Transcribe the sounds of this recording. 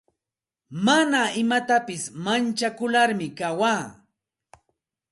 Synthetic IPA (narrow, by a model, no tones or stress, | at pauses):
manaɪmat̪apɪsmant͡ʃakʊlaɾmɪkawaː